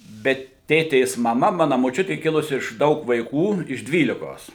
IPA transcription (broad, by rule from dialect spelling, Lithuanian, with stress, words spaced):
bʲɛt ˈtʲeːtʲeːs mɐˈmɐ ˈmɑːnɐ moːˈt͡ʃʲʊtʲɪ ˈkʲɪlˠʊsʲɪ ɪʃ ˈdɐʊk ʋɐɪˈkuː ɪʃ ˈdʲʋʲiːlʲɪkoːs